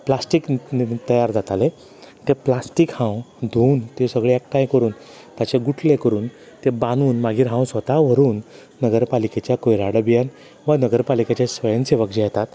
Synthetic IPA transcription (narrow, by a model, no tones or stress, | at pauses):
plasʈikt̪əjaɾd͡zat̪ale | t̪eplasʈikhãwd̪ʱuːnt̪ẽsəɡɭeɛk̚ʈajkəɾuːn | t̪at͡ɕeɡuʈʰlekəɾuːn | t̪ebãnuːnmaɡiːɾɦãw̃sʋət̪aʋ̤əɾuːnː | əɡəɾpaliket͡ɕjakojɾaɽəbijan | ʋanəɡəɾpalikat͡ɕesʋəjənseʋək̚d͡ʑajɛt̪at̪